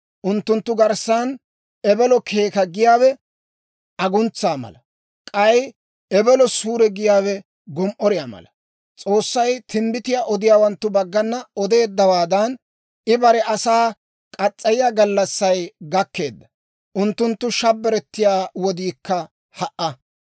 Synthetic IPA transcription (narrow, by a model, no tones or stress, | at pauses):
ʔʊnt̪ːʊnt̪ːʊɡɐɾsaːn | ɛbɛlɔkʰe̞ːkɐɡɪjaːwɛ | ʔɐɡʊnt͡sːaːmɐ̰lɐ | kʼɐj | ɛbɛlɔsuːɾɛɡɪjaːwɛ | ɡɔmʔɔɾɪjaːmɐ̰lɐ | t͡sʼo̞ːsːɐjt̪ɪmbɪt̪ɪjaːʔɔd̪ɪjaːwɐnt̪ːʊbɐɡːɐnːɐɔd̪e̞ːd̪ːɐwaːd̪ɐn | ɪbɐɾɛʔɐsaː | kʼɐt͡sʼːɐjɪjaɡɐlːɐsːɐjɡɐkːe̞̰ːd̪ːɐ̥ | ʔʊnt̪ːʊnt̪ːʊʃɐbːɛɾɛt̪ːɪjaːwɔd̪iːkːɐ | hɐʔːɐ